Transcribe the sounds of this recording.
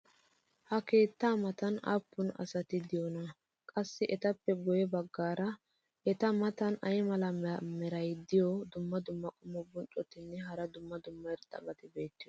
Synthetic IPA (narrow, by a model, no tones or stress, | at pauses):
hɐke̞ːt̪ːaːmɐt̪ɐna̰pːʊnɐ̰sɐt̪ɪd̪ɪjɔnɐ | kʼɐsːɪʔɛt̪ɐpːɛɡɔjɛbɐɡːaːɾɐ | ʔɛt̪ɐmɐt̪ɐnɐjmɐlɐmɛɾɐjd̪ɪjɔd̪ʊmːɐd̪ʊmːɐkʼʊmɔbʊnt͡ʃʼɔt̪ɪnːɛɦɐɾɐd̪ʊmːɐd̪ʊmːɐɪɾt̪ʼːɐ̰bɐt̪ɪbe̞ːt̪ːɪjɔ